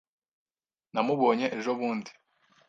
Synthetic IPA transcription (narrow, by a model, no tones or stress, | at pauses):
namuβo̞ːɲe̞ʔeʒoβuːndi